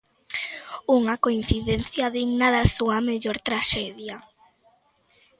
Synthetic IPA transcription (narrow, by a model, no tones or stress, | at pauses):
uŋakoin̟θiðen̟θjaðiɡnaðasuɐmeʎoɾt̪ɾaʃɛðja